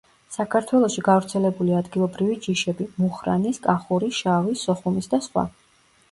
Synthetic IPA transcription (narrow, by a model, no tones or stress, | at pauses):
sakʰaɾt̪ʰwɛlˠɔʃiɡavɾt̪sʰɛlɛbuliad̪ɡilˠɔbɾivid͡ʒiʃɛbimuχɾa̰niskʼaχuɾiʃavisɔχumisd̪asχwa̰